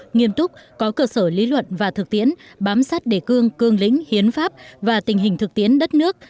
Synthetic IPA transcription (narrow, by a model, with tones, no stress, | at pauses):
ŋi˧əmt̪ʊ˦˥k͡p̚kɔ˨˦kəː˧səː˧˩li˨˦lwə̰˧˨nvaː˨˩t̪ʰɨ˨˩k̚t̪i˨˦ən | ɓaː˨˦msaː˦˥t̚ɗe˧˩kɨ˧əŋkɨ˧əŋlḭ̈˧˥ŋ̟hi˨˦ənfaː˦˥p̚vaː˨˩t̪ï˨˩ŋ̟ɦï˨˩ŋ̟t̪ʰɨ˨˩k̚t̪i˨˦ənɗə˦˥t̚nɨ˦˥ək̚